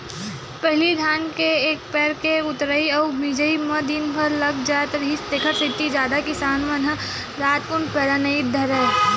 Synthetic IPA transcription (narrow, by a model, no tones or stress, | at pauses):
pəɦɪlid̪ʱaːnkeeːk̚pɛːɾkeʊt̪ɾəiɔːmid͡ʒəiməd̪inpəɾlɐɡd͡ʒaːt̪ɾəɦist̪eːkʰəɾsɪt̪ːid͡ʒjaːd̪akɪsaːnʋənɦə̃ | ɾaːt̪̚kʊnpɛːɾanəid̪ʱɐɾə